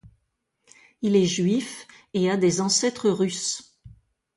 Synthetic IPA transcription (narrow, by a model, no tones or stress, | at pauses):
ilɛʒɥif | ead̪ezɑ̃sɛt̪χəʁys